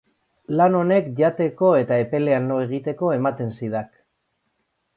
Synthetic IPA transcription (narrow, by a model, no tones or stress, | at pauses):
lano̞ne̞kʝat̪e̞ko̞e̞t̪aepe̞le̞anloe̞ɣ̞it̪e̞ko̞e̞mat̪e̞nsiðak